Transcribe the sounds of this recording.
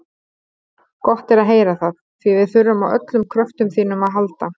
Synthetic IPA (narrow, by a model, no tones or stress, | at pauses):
kɔht̪ɛɾaðɦeːjɾaθaðθvivɪðθʏɾːʏmawʔœ̰t̪lʏmkʰɾœft̪ʏmsθiːnʏmaðɦalt̪a